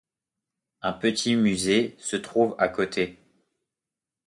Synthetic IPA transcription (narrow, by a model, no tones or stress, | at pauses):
ɛ̃pət̪ʰimyzesət̪χuva̰kot̪ʰe